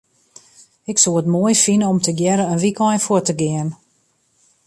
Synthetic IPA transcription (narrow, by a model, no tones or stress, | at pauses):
ɪksoːətmoəjfinəɔmtəɡjɛɾəənʋikɔjfʊtəɡɪən